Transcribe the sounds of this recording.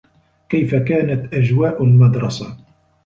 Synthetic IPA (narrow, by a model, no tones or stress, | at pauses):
kajfakaːnat̪ʔad͡ʒwaːʔʊlmɑd̪ɾˤɑsa